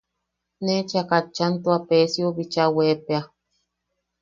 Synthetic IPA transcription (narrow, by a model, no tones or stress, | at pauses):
net͡ʃakat͡ʃːant̪uapesioβit͡ʃawepea